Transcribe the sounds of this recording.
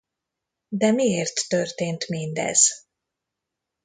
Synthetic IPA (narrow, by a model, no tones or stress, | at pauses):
d̪ɛmieːrt̪ːørt̪eːnt̪mind̪ɛ̰z̥